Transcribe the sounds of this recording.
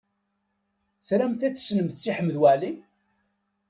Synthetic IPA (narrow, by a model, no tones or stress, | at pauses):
θɾæmθæt͡sːə̥snəmθt͡sːiħəmːðwæʕli